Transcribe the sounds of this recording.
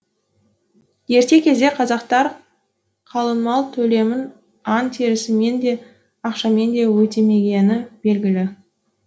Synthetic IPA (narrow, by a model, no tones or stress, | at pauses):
je̞ɾt̪e̞kʲʰe̞zd̪e̞qʰɑzɑqt̪ɑɾ | qʰɑlˠənmɑlˠt̪ʰɵle̞mɪn | ɑnt̪ʰeɾɪsɪme̞nd̪e̞ | ɑqʃɑme̞nd̪e̞wɵt̪e̞me̞ɡʲe̞nɪb̥e̞lɡʲɪlɪ